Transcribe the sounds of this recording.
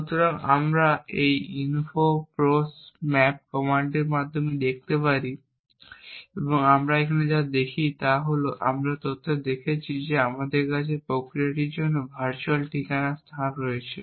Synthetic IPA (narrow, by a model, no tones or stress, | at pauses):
ʃut̪oɾaŋamɾaejinfopɾosmɛp̚kɔmaɳɖeɾmad̪ʱːomed̪ek̚t̪epaɾi | eboŋamɾaekʰaned͡ʑad̪ekʰit̪aɦoloʔa̰mɾat̪ot̪ʰːod̪ekʰet͡ɕʰid͡ʑeamad̪eɾkat͡ɕʰepɾokɾiaʈiɾd͡ʑonːobʱaɾt͡ɕualʈikanast̪ʰanɾoet͡ɕʰḛ